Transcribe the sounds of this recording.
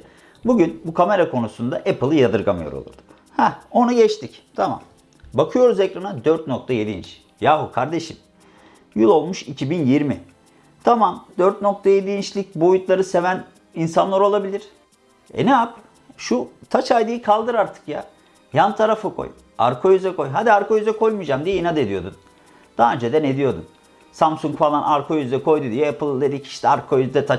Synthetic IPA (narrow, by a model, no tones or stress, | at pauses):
buɟynbukʰame̞ɾakʰo̞nusund̪aʔepʰɯlˠɯjad̪ɯɾɡamɯjoɾo̰lˠṵɾd̪̥ɯ̥m | hæo̞nuɟɛt͡ʃt̪ʰict̪ʰama̰m | bakʰɯjo̞ɾuzecɾanad̪øɾt̪̚no̞k̚t̪ʰaje̞d̪iḭnt͡ʃ | jaːɦukʰaɾd̪e̞ʃim | jylˠo̞lˠmuʃicʰibinjiɾmi | t̪ʰamamd̪øɾt̪̚no̞k̚t̪ʰaje̞d̪iint͡ʃlʲic̚bo̞jut̪lˠaɾɯse̞væn | insanlˠaɾo̞lˠabilʲiɾ̥ | ɛ̰neap | ʃut̪ʰat͡ʃajd̪ɯjɯkʰalˠd̪ɯɾaɾt̪ʰɯ̥kja̰ | jant̪ʰaɾafɯkʰo̰j | a̰ɾkʰo̞jyzɛko̞jɦad̪iaɾkʰo̞jyzɛkʰo̞jmud͡ʒaːmd̪ijeinad̪e̞d̪ijo̞̰d̪um | d̪̥aaːønd͡ʒed̪ɛned̪ijo̞d̪ṵm | samsuŋkfalˠanaɾkʰo̞jyzd̪ɛkʰo̞jd̪ud̪ijoepʰɯlˠd̪e̞d̪ici̥ʃt̪ʰɛaɾkʰo̞jyzd̪ɛt̪ʰa